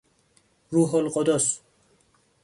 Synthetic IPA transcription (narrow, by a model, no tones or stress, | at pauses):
ɾuɦɔlqɔd̪ɔs